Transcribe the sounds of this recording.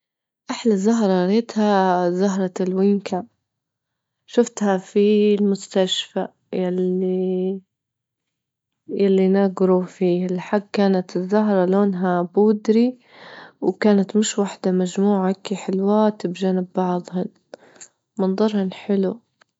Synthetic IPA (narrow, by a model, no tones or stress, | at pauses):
ʔaħlazaɦɾˤɑɾeːt̪hazaɦɾˤɑlwɪŋkʰa | ʃʊft̪hafilmʊst̪aʃfa | jali | jalːinaɡɾufiːhalħaɡkaːnat̪ɪzːaɦɾˤɑloːnɦabʊːd̪ɾi | wkaːnat̪mɪʃwaħd̪amad͡ʒmuːʕakiħɪlwaːt̪ɪbʒaːnɪbːɑʕðˤhʊn | mɨnd̪ˤɑɾˤhɪnħɪlu